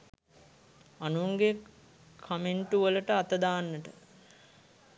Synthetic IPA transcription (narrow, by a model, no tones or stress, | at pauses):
anuŋɡe | kʰːameɳʈuʋələʈəat̪əd̪aːnːəʈə